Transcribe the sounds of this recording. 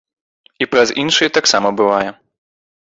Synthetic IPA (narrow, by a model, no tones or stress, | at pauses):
ipɾɐzinʂɨjɛt̪aksamɐbɨvajɛ